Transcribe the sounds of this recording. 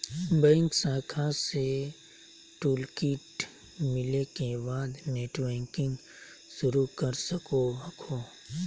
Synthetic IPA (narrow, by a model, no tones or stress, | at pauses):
bɛ̃ːŋksãːkʰase | ʈuːlkiːʈ | mɪlekebaːd̪neːʈbɛ̃ːŋkɪ̃ŋɡ | ʃʊɾukɐɾsəkoɦɐkʰoː